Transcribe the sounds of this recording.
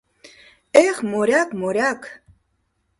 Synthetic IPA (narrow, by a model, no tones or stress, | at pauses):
ɛχmɔɾʲjakmɔɾjakʰ